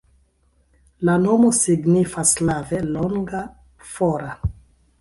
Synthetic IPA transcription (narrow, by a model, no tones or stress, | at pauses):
lano̞mo̞siɡnifaslaveloŋɡa | foɾa